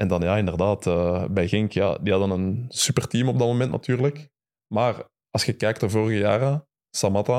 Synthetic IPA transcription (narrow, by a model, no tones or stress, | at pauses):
ʔɛndɑnjaːɪndərdaːtəːbɛjɣɪŋkjaːdiɦɑdənənsypərtiːmɔb̚dɑtmomɛntnɑ̰tyːrlək | maːr | ɑlˠsxəkɛːk̚təvoːrəɣəjaːrə | sɑmɑta